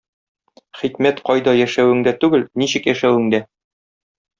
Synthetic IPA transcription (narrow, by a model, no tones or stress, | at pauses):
χikmæt̪qɒjd̪ɒjæʃæwɘ̆ŋd̪æt̪ʉɡɘlniɕɘ̆kjæʃæwɘ̆ŋd̪æ